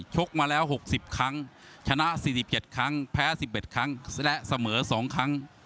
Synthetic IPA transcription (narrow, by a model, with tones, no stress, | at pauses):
t͡ɕʰo˦˥k̚maː˧lɛː˦˥wɦo˨˩k̚si˨˩p̚kʰa˦˥ŋ | t͡ɕʰa˧na˦˥ʔsiː˨˩si˨˩p̚t͡ɕe˨˩t̪̚kʰa˦˥ŋpʰɛː˦˥˩si˨˩p̚ʔe˨˩t̪̚kʰa˦˥ŋlɛ˦˥ʔsa˧mɤː˩˦sɔː˩˦ŋkʰa˦˥ŋ